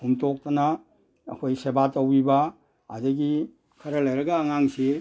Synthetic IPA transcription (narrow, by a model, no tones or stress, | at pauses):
humtok̚tɐna̰ː | kʰojsebatowiba̰ː | daɡi | kʰɐɾɐlajɾɐɡɐːŋaŋse